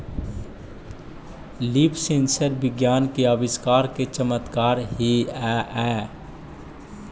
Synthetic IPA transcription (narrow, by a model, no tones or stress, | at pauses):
liːpsẽːnsəɾbɪɡjaːnkeəbɪskaːɾket͡ʃəmət̪kaːɾɦiɛʔɛː